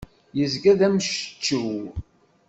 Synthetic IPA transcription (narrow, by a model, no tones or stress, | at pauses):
jəzɡæðæmʃə̥t͡ʃːuw